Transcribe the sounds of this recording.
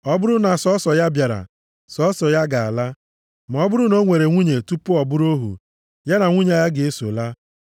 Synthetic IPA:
ɔ˦bʊ˦ɾʊ˦na˨sɔ˦sɔ˨ja˦bja˨ɾa̰˨ | sɔ˦sɔ˨ja˦ɡa˨a̰˨la˦ | ma˨ɔ˦bʊ˦ɾʊ˦no˦ŋʷe˨ɾe˨ŋʷu˦ɲe˨tu˦pʊ˦ɔ˨bʊ˦ɾo˦ɦṵ˨ | ja˦na˨ŋʷu˦ɲa˦˨ja˦ɡɪ˨e˦so˨la˦

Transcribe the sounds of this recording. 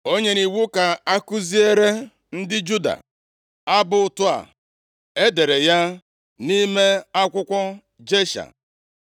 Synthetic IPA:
o˦ɲe˦ni˨wu˦ka˨a˦ku˦zi˦e˦ɾe˦ | n̩˦dɪ˦d͡ʒu˦da̰˨ | a˦bʊ˨ʊ˨tʊ˦a̰˨ | e˦de˨ɾe˨ja˦ | ni˦me˦a˦kʷʊ˦kʷɔ˦ | d͡ʒe˦ʃa̰˨

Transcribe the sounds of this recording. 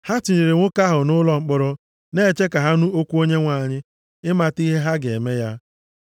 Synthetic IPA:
ha˦tɪ˨ɲɪ˨ɾɪ˨ŋʷʊ˦ka˦ɦʊ˨nʊ˦lɔ˨ŋ͡m̩˨k͡pʊ˨ɾʊ˦ | ne˦˨t͡ʃe˦ka˨ɦa˦nu˦o˦kʷu˦o˦ɲe˦ŋʷa˨ɲɪ˦ | ɪ˦ma˨ti˦ɦe˦ɦa˦ɡḛ˨me˦ja˦

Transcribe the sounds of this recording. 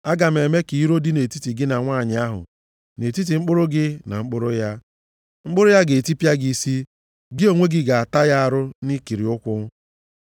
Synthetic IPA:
a˦ɡa˨m̩˨e˨me˦ki˨i˦ɾo˦dɪ˦ne˨ti˦ti˨ɡɪ˦na˨ŋʷaː˦˨ɲɪ˨˦a˦ɦʊ̰˨ | ne˨ti˦t̬i˨ŋ͡m̩˦k͡pʊ˦ɾʊ˦ɡɪ˦na̰˨ŋ͡m̩˦k͡pʊ˦ɾʊ˦ja˦ | ŋ͡m̩˦k͡pʊ˦ɾʊ˦ja˦ɡe˨e˨ti˦pja˦ɡi˦si˦ | ɡɪ˦o˨ŋʷe˦ɡɪ˦ɡa˨a˨ta˦ja˦a˨ɾʊ˦ni˦ki˨ɾi˨ʊ˦kʷʊ˦

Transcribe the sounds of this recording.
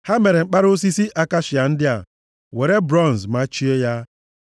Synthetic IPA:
ha˦me˨ɾe˨ŋ͡m̩˦k͡pa˦ɾo˦s̬i˦si˦ʔa˦ka˦ʃɪ˨a˨n̩˦dɪ˦a̰˨ | we˨ɾe˦bɾɔ˦˨n̩˨zma˦t͡ʃi˦e˦ja˦

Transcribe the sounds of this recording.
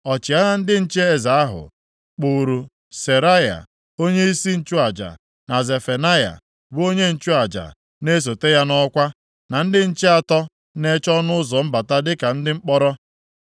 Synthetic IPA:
ɔ˨t͡ʃɪ˨a˦na˦n̩˦dɪ˦n̩˦t͡ʃe˦e˦˨za˨a˦ɦʊ̰˨ | k͡pu˨ɾu˨ | se˨ɾa˦ja̰˨ | o˦ɲe˦i˦si˦n̩˦t͡ʃʊ˦a˨d͡ʒa̰˨ | na˨ze˨fe˨na˦ja̰˨ | bu˦o˦ɲe˦n̩˦˨t͡ʃʊ˦a˨d͡ʒa̰˨ | ne˦s̬o˨te˦ja˦nɔ˦kʷa˦ | na˨n̩˦dɪ˦n̩˦t͡ʃe˦a˨tɔ˦ | ne˦t͡ʃɔ˦nʊ˦ʊ˦zɔ˨m̩˦ba˨ta˦dɪ˦ka˨n̩˦dɪ˦ŋ͡m̩˦k͡pɔ˦ɾɔ˦

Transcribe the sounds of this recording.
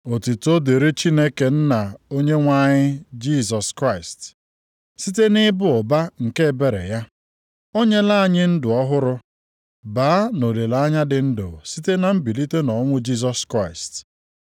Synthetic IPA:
o˨ti˨to˦de˨ɾe˦t͡ʃi˦ne˦ke˨n̩˦na˨o˦ɲe˦ŋʷa˦ɲɪ˦d͡ʒi˦˨zɔ˨skɾa˦˨ɪ˨st | si˦te˦nɪ˦bʊ˦ʊ˨ba˦ŋ̩˨ke˦˨be˨ɾḛ˨ja˦ | o˦ɲe˦la˦˨ɲɪ˦n̩˦dʊ˨ɔ˦ɦʊ˦ɾʊ˦ | baː˨˦no˨le˨la˦ɲa˦dɪ˨n̩˦dʊ̰˨si˦te˦na˨m̩˦bi˨li˦te˦nɔ˨˦ŋʷʊ˦d͡ʒi˦z̬ɔ˦skɾa˦˨ɪ˨st

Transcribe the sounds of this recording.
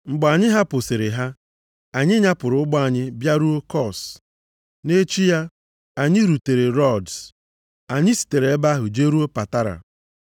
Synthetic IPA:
ŋ͡m̩˨ɡ͡ba˨ɲɪ˦ɦa˦pʊ˨sɪ˨ɾɪ˨ɦa˦ | a˨ɲɪ˦ɲa˦pʊ˨ɾʊ˦ʊ˦ɡ͡bɔ˦a˨ɲɪ˦bja˦ɾu˦o˦kɔ˦˨s | ne˦t͡ʃi˦ja˦ | a˨ɲɪ˦ɾu˨te˨ɾe˨ɾɔ˦˨ds | a˨ɲɪ˦si̥˨te˨ɾe˨e˦ba˦ɦʊ˨d͡ʒe˦ɾu˦o˦pa˨ta˦ɾa̰˨

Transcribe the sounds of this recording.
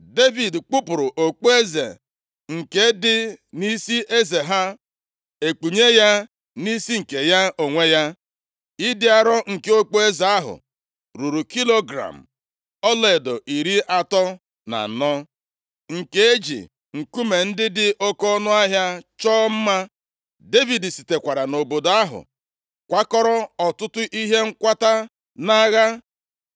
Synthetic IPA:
de˦vi˨dk͡pu˦pʊ˨ɾʊ˨ʔo˨k͡po˦e˦zḛ˨ | ŋ̩˨ke˦dɪ˦ni˦si˦ʔe˦ze˨ɦa˦ | e˨k͡pu˨ɲe˦ja˦ | ni˦si˦ŋ̩˨ke˨ja˦o˨ŋʷe˦ja˦ | i˦dɪ˦a˨ɾɔ˦ŋ̩˨ke˨˦o˦k͡po˦e˦za˨a˦ɦʊ̰˨ | ɾu˨ɾu˨ki˦lo˦ɡɾa̰˨m̩˨ | ɔ˦le˨e˨do˨ʔi˨ɾi˦ʔa˦tɔ˦ | na̰˨nɔ˦ | ŋ̩˨ke˦e˦d͡ʒḭ˨ | ŋ̩˨ku˦me˨n̩˦dɪ˦dɪ˦ʔo˦kɔ˦nʊ˦a˦ɦja˦t͡ʃɔː˦m̩˦ma˦ | de˦vi˨di˨si˨te˨kʷa˨ɾa˨no˨bo˨do˨a˦ɦʊ̰˨ | kʷa˦kɔ˦ɾɔ˦ɔ˨tʊ˦tʊ˦ʔi˦ɦe˦ŋ̩˦kʷa˦ta˦ | na˦ɣa˦

